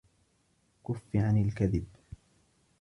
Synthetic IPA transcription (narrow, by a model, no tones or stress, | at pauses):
kʊfːiʕanɪlkaðɪb